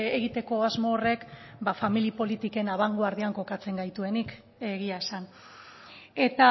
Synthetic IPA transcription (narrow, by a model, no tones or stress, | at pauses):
eɣit̪e̞ko̞azmo̞ːre̞kbafamilipo̞lit̪ike̞naβaŋɡoaɾðiaŋko̞kat͡se̞ŋɡajt̪ue̞nik | eɣiaesan | e̞t̪a